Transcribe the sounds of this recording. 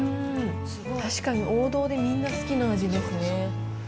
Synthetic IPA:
ɯ̃ | t̪aɕi̥kaɲ̟iʔo̞ːd̪o̞ːd̪e̞mʲĩnːasɨ̥kʲinaːʑid̪e̞sɨne̞

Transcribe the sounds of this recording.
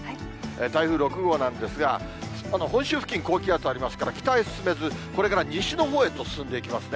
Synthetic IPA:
et̪aiɸɯ̟ːɾo̞kɯ̟ɡo̞ːnãnd̪e̞sɨɡa̰ | sanoɦõ̞ɕɨːɸɯ̟̥kʲĩŋko̞ːkʲiat͡sɨaɾʲimasɨ̥kaɾakʲi̥t̪aisɨ̥sɨme̞zɨko̞ɾe̞kaɾaɲ̟iɕɨno̞ɦoːe̞t̪o̞sɨ̥sɨ̃nd̪e̞ikʲimasɨne

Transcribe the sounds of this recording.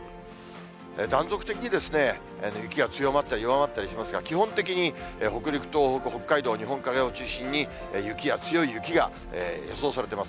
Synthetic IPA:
ed̪ãnd͡zo̞kɯ̟̥t̪e̞kʲiɲ̟id̪e̞sɨne̞ | ḛnojɯ̟kʲiɡat͡sɨjo̞mat̪ːaɾʲijoβamat̪ːaɾiɕimasɨɡakʲiɦõ̞nt̪e̞k̬ʲiɲ̟ieho̞kɯ̟ɾʲikɯ̟̥t̪oːhokɯho̞kːaid̪o̞ːɲ̟iɦõŋkaɡe̞o̞t͡ɕɨːɕĩɲ̟ːi | ejɯ̟kʲijat͡sɨjo̞ijɯ̟kʲiɡa̰ | ḛːjo̰so̞ːsaɾe̞t̪emas

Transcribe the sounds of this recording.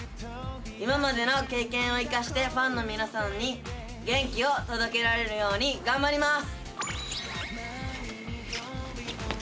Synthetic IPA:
imamad̪e̞no̞ke̞ːkẽ̞ɰ̃o̞ikaɕi̥t̪e̞ɸãnːo̞mʲinasãɲːi | ɡẽ̞ŋkʲio̞t̪o̞d̪o̞ke̞ɾaɾe̞ɾɯ̟jo̞ːɲ̟iɡãmbaɾʲimasɨ̥

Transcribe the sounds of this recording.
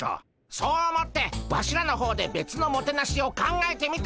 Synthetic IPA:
o̰ | soːomo̞t̪ːe̞βa̰ɕiɾano̞ɦo̞ːd̪e̞be̞t͡sɨno̞mo̞t̪e̞naɕio̞kãŋɡae̞t̪e̞mʲit̪

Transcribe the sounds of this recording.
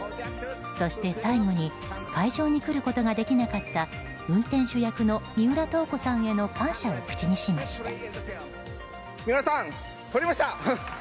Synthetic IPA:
so̞ɕi̥t̪e̞saiɡo̞ɲ̟i | kʰaiʑo̞ːɲ̟ikɯ̟ɾɯ̟ko̞t̪o̞ɡad̪e̞kʲinakat̪ːa | ɯ̟̃nt̪ẽɰ̃ɕɨjakɯ̟no̞mʲiɯ̟ɾat̪o̞ːko̞sãɰ̃e̞no̞kãɰ̃ɕaokɯ̟̥t͡ɕiɲ̟iɕimaɕi̥t̪ḁ | mʲiasãŋ | t̪oɾimaɕt̪a

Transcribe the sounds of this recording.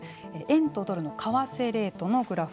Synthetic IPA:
eʔẽ̞nt̪od̪o̞ɾɯ̟no̞kʰaβase̞ɾe̞ːt̪o̞no̞ɡɯ̟ɾaɸ

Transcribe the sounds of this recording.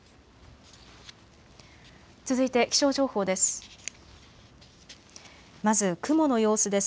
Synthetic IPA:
t͡sɨzɨit̪e̞kʲi̥ɕo̞ːʑo̞ːho̞ːd̪e̞sɨ̥ | mazɨkɯ̟mo̞no̞jo̞ːsɨd̪e̞sɨ̥

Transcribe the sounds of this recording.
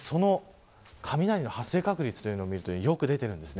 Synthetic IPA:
so̞no̞ | kʰamʲinaɾʲino̞hasːe̞ːkakɯ̟ɾʲit͡sɨ̥t̪o̞jɯ̟noːmʲiɾɯ̟t̪oiijo̞kɯ̟d̪e̞t̪e̞ɾɯ̟̃nd̪e̞sɨne

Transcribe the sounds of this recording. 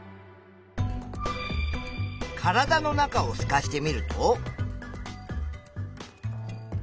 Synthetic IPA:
kʰaɾad̪ano̞nakao̞sɨ̥kaɕi̥t̪e̞mʲiɾɯ̟t̪o

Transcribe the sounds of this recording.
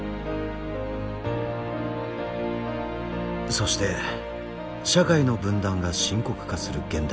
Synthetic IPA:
so̞ɕi̥t̪e̞ | ɕakaino̞bɯ̟̃nd̪ãŋɡaɕĩŋko̞kɯ̟̥kasɨɾɯ̟ɡẽ̞nd̪a

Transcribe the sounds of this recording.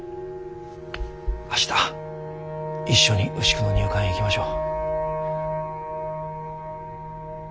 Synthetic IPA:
aɕi̥t̪ḁ | iɕːo̞ɲ̟iʔɯ̟ɕi̥kɯ̟no̞ɲʲɨːkãɰ̃ikʲimaɕo̞ː

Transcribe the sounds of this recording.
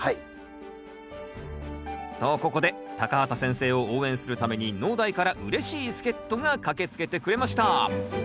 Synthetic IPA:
hai | t̪oko̞ko̞d̪e̞t̪akaɦat̪asẽ̞ɰ̃se̞ːo̞oːẽ̞ɰ̃sɨɾɯ̟t̪ame̞ɲ̟ino̞ːd̪aikaɾaʔɯ̟ɾe̞ɕiːsɨ̥ke̞t̪ːo̞ŋakake̞t͡sɨ̥ke̞t̪e̞kɯ̟ɾe̞maɕi̥t̪a

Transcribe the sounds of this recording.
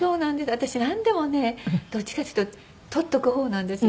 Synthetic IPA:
so̞ːnãnd̪e̞sɨat̪aɕinãnd̪e̞mo̞ne̞d̪̥o̞t͡ɕi̥kat͡ɕɨ̥t̪ːo | t̪ʰot̪ːo̞kɯ̟ho̞ːnãnd̪e̞sɨ

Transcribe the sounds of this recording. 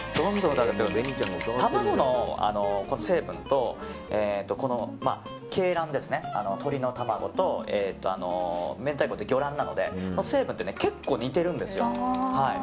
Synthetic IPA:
d̪̥õ̞nd̪õnd̪akt̪ek̪t̪amaɡo̞no̞a̰no̞ko̞nose̞ːbɯ̟̃nt̪o̞eːt̪ːo̞ko̞no̞ma̰ | kʰe̞ːɾãnd̪e̞sɨne̞a̰no̞t̪ʰo̞ɾʲino̞t̪amaɡo̞̰t̪o̞eːt̪ːo̞a̰no̞̰ment̪aikot̪d̪eɡʲo̞ɾãnːano̞d̪e̞̰konose̞ːbɯ̟nt̪ːe̞ne̞ke̞kːo̞ːɲ̟it̪e̞ɾɯ̟̃nd̪e̞sɨjo̞hai

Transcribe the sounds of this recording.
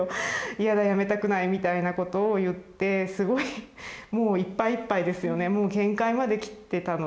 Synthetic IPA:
oijad̪ajame̞t̪akɯ̟naimʲit̪ainako̞t̪o̞ːjɯ̟t̪ːe̞sɨɡo̞imo̞ːipːaiːpːaid̪e̞sɨjo̞ne̞mo̞ːɡẽ̞ŋkaimad̪e̞kʲi̥t̪ːe̞t̪ano

